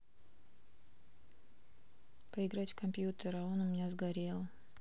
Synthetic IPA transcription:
pəɪɡɾatʲkɐmpʲjut̪əɾɐo̞nʊmʲɪnʲazɡɐɾʲe̞lˠ

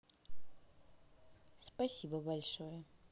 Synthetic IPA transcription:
spɐsʲibəbɐlʲʂojə

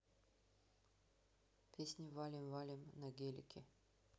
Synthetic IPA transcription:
pʲesʲnʲɪvalʲɪmvalʲɪmnɐɡʲelʲɪkʲʰɪ

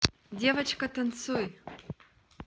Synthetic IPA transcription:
dʲevət͡ɕkɐt̪ənsuj

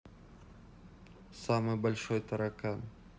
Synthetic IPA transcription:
saməbəlʲʃɔjt̪ʰaɾakan

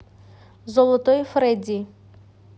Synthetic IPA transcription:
zɔlˠɔt̪ɔjfɾɛdʲi

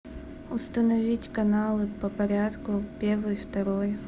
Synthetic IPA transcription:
ʊst̪ənɐvʲitʲkɐnalˠɨpəpɐɾʲat̪kʊpʲervɨjft̪ɐɾoj

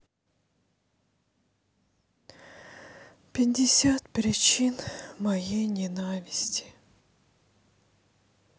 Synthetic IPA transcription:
pʲɪɪsʲat̪pɾʲɪt͡ɕinmɐjejnʲɪnavʲɪsʲtʲɪ̥

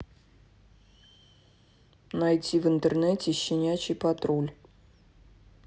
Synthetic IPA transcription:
najtʲivɨnt̪ərnɛtʲɪɕːɪnʲat͡ɕɪjpat̪ɾolʲ

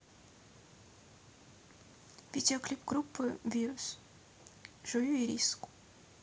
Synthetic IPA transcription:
vʲidʲeɔklʲipɡɾupːɨvʲiɾʊs | ʒ̥ʊjuiɾʲiskʊ̥

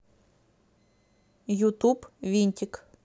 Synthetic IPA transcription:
jut̪ubʋʲinʲtʲik

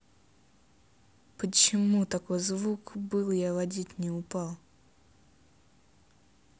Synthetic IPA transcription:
pət͡ɕɪmut̪ɐko̞jzvukbɨlˠjavɐdʲitʲnʲɪʊpalˠ

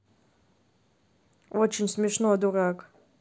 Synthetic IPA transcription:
ot͡ʃʰeɲʲsmʲeʂnoad̪urakʼ

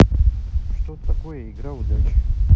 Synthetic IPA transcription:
ʂt̪ot̪akojəiɡɾaud̪at͡ʃ

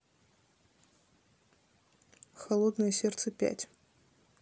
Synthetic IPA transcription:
xɐlˠod̪nɨjəsʲert̪sɨpʲæ̰tʲ

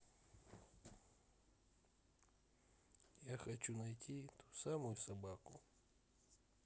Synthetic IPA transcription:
jaxɐt͡ʃunɐjtʲʰɪt̪u̥samʊjʊsɐbakʊ

